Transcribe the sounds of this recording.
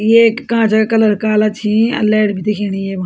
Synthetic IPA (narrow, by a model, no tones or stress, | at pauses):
jeːkːãːt͡ʃakələɾkaːlat͡ʃʰĩɐ̰lɛːɽbʱit̪iːkʰeːɽ̃iːeːbã